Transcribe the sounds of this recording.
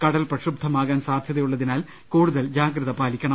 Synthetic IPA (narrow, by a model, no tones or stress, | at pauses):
kɐɽɐlprɐɕrub̚d̪ʱːɐmaːɣaːnsaːd̪ʱjɐðɐjuɭːɐðinaːl | kuːɽuðɐld͡ʑaːɡɾɨðɐpaːlikʲːɐɳɐ